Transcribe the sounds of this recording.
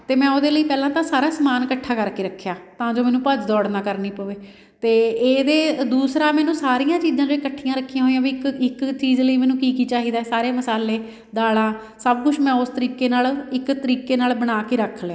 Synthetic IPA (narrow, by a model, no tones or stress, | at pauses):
t̪eːmɛ̃ːoːd̪eːləiːpɛːlãːt̪ãːsaːɾaːsəmaːnkəʈʰːaːkəɾkeːɾəkʰːjaːt̪ãːd͡ʒoːmɛːnũːpəd͡ʒd̪ɔːɽnaːkəɾniːpəʋeː | t̪eːeːd̪eːd̪uːsɾaːmɛːnũːsaːɾijãːt͡ʃiːzãːd͡ʒəiːkəʈʰːijãːɾəkʰːijãːɦoːijãːbikɪkt͡ʃiːzləiːmɛːnũːkiːkiːt͡ʃaːɦiːd̪aːɛːsaːɾeːməsaːleː | d̪aːlãː | səb̚kʊʃmɛ̃ːʊst̪əɾiːkeːnaːlɪkt̪əɾiːkeːnaːlbəɽaːkeːɾəkʰːlãː